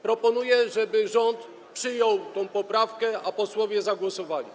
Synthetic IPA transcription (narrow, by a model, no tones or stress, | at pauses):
pɾɔpɔnujɛʐɛbɘʐɔnt̪ | pʂɘjɔwt̪ɔ̃w̃pɔpɾafkɛapɔswɔvʲjɛzaɡwɔsɔvalʲḭ